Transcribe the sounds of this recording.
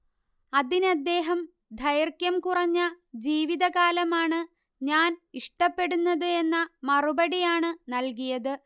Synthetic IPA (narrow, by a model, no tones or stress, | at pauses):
ɐðinɐd̪ːe̞ːɦɐm | d̪ʱɐjɐrkjɐmkurɐɲːɐ | d͡ʑiːʋiðɐɣaːlɐmaːɳɨ | ɲaːniʂʈɐpːe̞ɽunːɐðɨe̞nːɐmɐrubɐɽijaːɳɨnɐlk̬ijɐðɨ